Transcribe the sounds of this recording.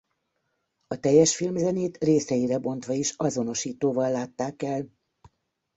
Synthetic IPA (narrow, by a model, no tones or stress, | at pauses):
ɒt̪ɛjːɛʃfilmzɛneːt̪reːsɛjiɾɛbo̞nt̪ʋɒiʃɒzo̞no̞ʃiːt̪oːvɒlːaːt̪ːaːkɛl